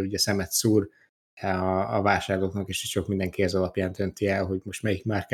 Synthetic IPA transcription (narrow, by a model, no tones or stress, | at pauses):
luɟɛsɛmɛt̪suːr | ɛɒːvaːʃaːrloːknɒkeʃɛ̥ʃo̞kmind̪ɛŋkiɛzɒlɒpjaːnd̪ø̞nt̪iɛlɦo̞ɟmo̞ʃt̪mɛjikmaːrk